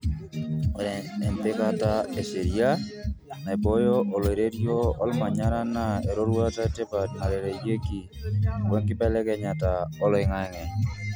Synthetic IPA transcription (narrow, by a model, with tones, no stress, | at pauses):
ɾɛ˨nɛ˨nt̪ɪ˦ka˦ta˦e˨se˨ɾia˦nɛ˨bɔ˦jɔ˦ʔo˨le˨ɾe˦ɾjo˦ɔ̰˦lma˨ɲa˦ɾa˦na˦˨e˨ɾo˦ɾwa˦ta˦te˦pa˨tma˨ɾɛ˨ɾe˨je˦ki˨ | wɛ˦ŋkɪ˦bɛ˦lɛ˦kɛ˨ɲa˨ta˨ɔ˦lɪ˨ŋa˨ɛ˦ŋɛ˨